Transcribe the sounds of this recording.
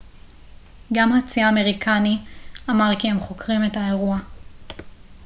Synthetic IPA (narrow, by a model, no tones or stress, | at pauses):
ɡamhat͡siaːme̞ʁikʰaniamaʁkihemχo̞kʁimethae̞ʁua